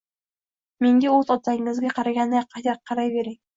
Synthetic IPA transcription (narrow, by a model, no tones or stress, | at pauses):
me̞ŋɡʲaɵzɒt̪saŋɪzɡʲaqʰɑɾaɡʲanːɪjɑqʰːɑt̪aq̚qʰːɑɾajbe̞ɾɪŋ